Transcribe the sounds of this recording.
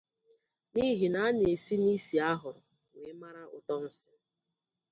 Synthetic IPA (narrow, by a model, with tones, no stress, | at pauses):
ni˦ɦi˨na˨a˦n˨e˨si˦ni˦si˨a˦ɦʊ˨ɾʊ˨ | ŋe˨˦ma˦ɾa˦ʔʊ˨tɔ˦n̩˦sɪ̥˦